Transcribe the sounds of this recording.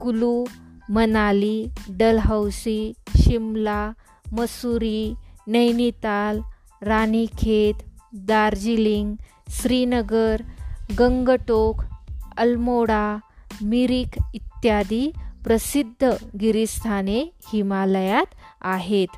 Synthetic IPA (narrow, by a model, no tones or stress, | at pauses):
kulumənaliɖəlɦəwsiɕimla | məsuɾinəjnit̪al | ɾanikʰet̪d̪aɾd͡ʑiliŋɡ | sɾinəɡəɾɡəŋɡəʈokʰəlmoɽamiɾikit̪jad̪ipɾəsid̪ʱːəɡiɾist̪ʰanehimaləjat̪aɦet̪